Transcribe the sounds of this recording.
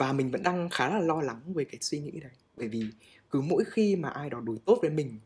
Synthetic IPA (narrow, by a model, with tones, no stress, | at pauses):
vaː˨˩mï˨˩ŋ̟və̰˧˥nɗaː˧ŋxaː˨˦za˦˥laː˨˩lɔ˧la˨˦ŋvəː˨˦jkaː˨˦jswi˧ŋḭ˧˥ɗə˨˦jɓəː˧˩jvi˨˩ | kɨ˨˦mo̰˧˥jxi˧maː˨˩ʔaː˧jɗɔ˨˦ɗu˨˦jt̪o˦˥t̚vəː˨˦jmï˨˩ŋ̟